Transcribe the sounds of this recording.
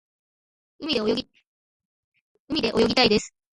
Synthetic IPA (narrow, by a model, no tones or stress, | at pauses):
ɯmʲid̪ejoi | ɯmʲid̪e̞ʔo̞jo̞ɡʲit̪aid̪e̞sɨ̥